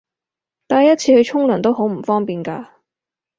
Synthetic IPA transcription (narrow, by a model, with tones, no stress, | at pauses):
t̪aː˨jɐ˥t̚t͡sʰiː˧hɵ˨˧ɥt͡ʃʰʊ˥ŋlœː˨˩ŋt̪o˥wɦo˨˥wm̩˨˩fɔː˥ŋpiː˨nka̰ː˧